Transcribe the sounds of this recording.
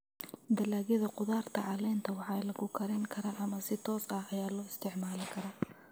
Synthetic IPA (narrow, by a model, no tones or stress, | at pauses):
d̪ɐlaːɣɪðɐqʊðaːrt̪ʰɐʕɑlɛːnt̪ʰɐwɑħɑlɐɣʊkʰɐɾɛŋkʰɐɾɐʔɐmɐsɪt̪ʰɔːsɐhɐjaːlɔːɪst̪ʰɪʕmaːlɪkʰɐɾaː